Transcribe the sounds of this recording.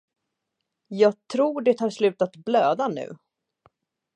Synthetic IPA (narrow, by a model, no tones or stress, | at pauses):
jɑːɡ̚t̪ʰɾuːɖɛt̪ʰɑːɾslʉ̟ːt̪at̪bløːd̪anʉ̟̰ː